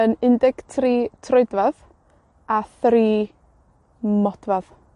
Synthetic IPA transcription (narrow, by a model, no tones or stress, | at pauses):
ənɪndɪɡ̥tʰriːtʰrʊɨdvað | aθriː | mɔd̥vað̥